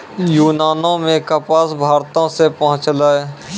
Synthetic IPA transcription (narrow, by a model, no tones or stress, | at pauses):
juːnaːnõmẽkəpaːsbʱaːɾt̪õsepɐɦʊ̃t͡ʃlaːe